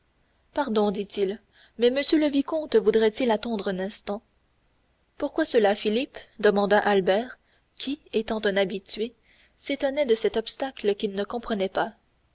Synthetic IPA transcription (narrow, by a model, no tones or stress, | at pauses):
paʁd̪ɔ̃d̪it̪il | mɛməsjøləvikɔ̃t̪vud̪ʁɛt̪ilat̪ɑ̃d̪ʁœ̃nɛ̃st̪ɑ̃ | puʁkwasəlafilipd̪əmɑ̃d̪aʔalbɛːʁ | kʲʰiet̪ɑ̃t̪ɛ̃nabit̪ɥe | set̪ɔnɛd̪əsɛt̪ɔpst̪akləkʲilnəkɔ̃pχənɛpa